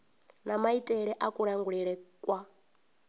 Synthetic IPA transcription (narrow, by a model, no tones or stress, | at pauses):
namaitʼɛɺɛʔakʼuɺaŋɡuɺɛɺɛkʼwa